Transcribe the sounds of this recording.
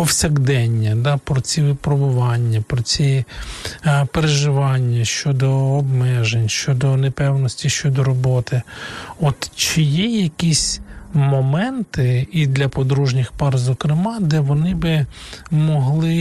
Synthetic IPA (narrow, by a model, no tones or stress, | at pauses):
ɔwsʲɐɡd̪ɛnʲːɐd̪ɑpɾɔt͡sʲiʋɪpɾɔbʊʋɑnʲːɐpɾɔt͡sʲi | peɾeʒɪʋɑnʲːɐʃt͡ʃɔd̪ɔːbmɛʒenʲʃt͡ʃɔd̪ɔnepɛwnɔsʲtʲiʃt͡ʃɔd̪ɔɾɔbɔt̪ɪɔt̪t͡ʃɪjɛjɐkʲisʲmɔmɛnt̪ɪid̪lʲɐpɔd̪ɾuʒnʲɪxpɑrzɔkɾɪmɑd̪ɛʋɔnɪbɪmɔɦlˠɪ